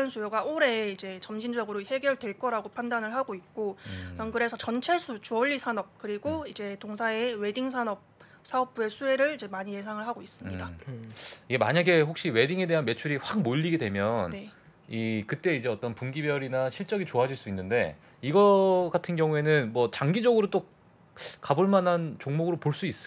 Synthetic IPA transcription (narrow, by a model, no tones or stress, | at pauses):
ɯnsʰujoɡaoɾe̞id͡ʑe̞t͡ɕʌmɕʰind͡ʑʌɡɯɾohe̞ɡjʌɭdwe̞ɭk͈ʌɾaɡopʰandanɯɭɦaɡoik̚k͈oʌnkɯɾe̞sʰʌt͡ɕʌnt͡ɕʰe̞sʰut͡ɕuʌʎːisʰanʌp̚kɯɾiɡoid͡ʑe̞toŋsʰaewe̞diŋsʰanʌp̚ | sʰaʌp̚p͈ue̞sʰue̞ɾɯɭid͡ʑe̞maɲije̞sʰaŋɯɭɦaɡois͈ɯmɲida | iɡe̞ma̰ɲaɡe̞ɸok̚ɕ͈iwe̞diŋe̞de̞ɦanme̞t͡ɕʰuɾiɸwak̚moʎːiɡedwe̞mjʌne | ikɯt͈e̞id͡ʑe̞ʌt͈ʌnpumɡibjʌɾinaɕʰiɭt͡ɕ͈ʌɡit͡ɕoɦad͡ʑiɭs͈uinːɯnde̞̰ | iɡʌɡatʰɯnɡjʌŋue̞nɯnmwʌt͡ɕaŋɡid͡ʑʌɡɯɾot͈o | kaboɭmanɦant͡ɕoŋmoɡɯɾopoɭs͈uis͈ɯo